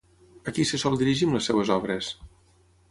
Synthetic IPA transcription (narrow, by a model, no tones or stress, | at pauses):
əkisəsɔlˠd̪iɾiʒimləsewəzɔβɾəs